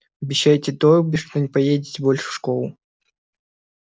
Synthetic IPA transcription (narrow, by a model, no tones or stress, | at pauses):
ɐbʲɪɕːajtʲɪt̪oɾbʲɪʂt̪ɔnʲɪpɐjedʲɪtʲbolʲʂɨ̥fʂkɔlˠʊ